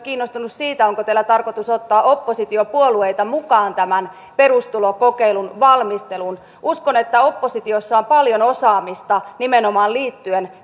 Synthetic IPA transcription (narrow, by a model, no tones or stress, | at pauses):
kiːnːost̪unussiːt̪æoŋkot̪eælːæt̪ɑrkot̪usot̪ːɑːopːosit̪iopuoluejt̪ɑmukɑːnt̪æmæn | perust̪ulokokeilunʋɑlmist̪elun | ʔuskonet̪ːæo̞pːosit̪iosːɑompɑljonosɑːmist̪ɑnimenomɑːlliːt̪ːyen